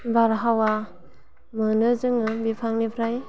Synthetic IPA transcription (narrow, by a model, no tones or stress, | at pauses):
baɾɦawa | mɯnɯzɯŋɯbipʰaŋnipʰɾaj